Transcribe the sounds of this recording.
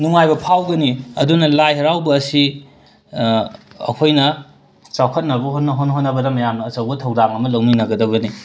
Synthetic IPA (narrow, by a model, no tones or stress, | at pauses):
nuŋajbɐpʰawɡɐniɐdunɐlajɦɐɾawbɐːsi | kʰojnɐ | t͡ʃawkʰɐt̚nɐbɐɦot̚nɐɦotnɦot̚nɐbɐdɐmɐjamnɐːt͡ʃɐwbɐtʰɐwdaŋɐmɐlɐwminɐɡɐdɐɡɐni